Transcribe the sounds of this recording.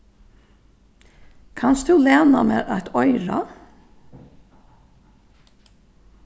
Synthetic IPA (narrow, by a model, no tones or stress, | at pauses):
kʰanst̪d̪ʉleːnameːðat̪ʰɔʏɾa̰